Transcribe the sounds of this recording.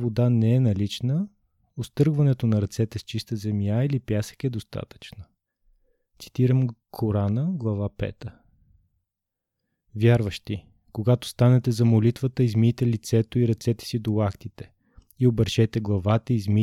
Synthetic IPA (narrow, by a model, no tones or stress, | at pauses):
vod̪anɛɛnɐlit͡ʃnə | ost̪ɤɾɡvɐnɛt̪onɐɾɐt̪sɛt̪ɛst͡ʃist̪əzɛmjailipjasə̥kɛd̪ost̪a̰t̪ə̥t͡ʃnə | t̪si̥t̪iɾəmkʰoɾanəɡlˠɐvapɛ̰t̪ə | vʲjaɾvəʃt̪i | koɡat̪o̥st̪anɛt̪ɛzɐmolit̪vət̪əizmit̪ɛlit̪sɛt̪oiɾɐt̪sɛt̪ɛ̥sid̪olakt̪it̪ɛ̥ | iobəɾʃɛt̪ɛɡlˠɐvat̪əizmi